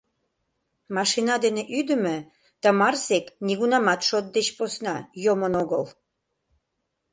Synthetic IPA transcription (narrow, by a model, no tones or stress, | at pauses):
mɑʃinɑd̪eneʔyd̪ə̆mø̆ | t̪ɑmɑrsekniɣunɑmɑt̪ʃot̪̚d̪et͡ɕposnɑjomənoɣəl